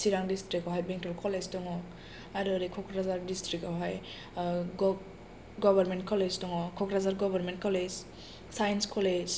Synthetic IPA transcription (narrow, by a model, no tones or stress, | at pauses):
siɾaŋdistɾikɔɦajbeŋtʰɔlkʰɔleztɔŋɔk̚ | aɾuaɾikʰɔkʰɾazaɾdistɾikaɦaj | ɡɔbaɾmentkʰɔleztɔŋɔkʰːɔkʰɾazaɾɡɔbaɾment̚kʰɔled͡ʒ | sajnskʰɔled͡ʒ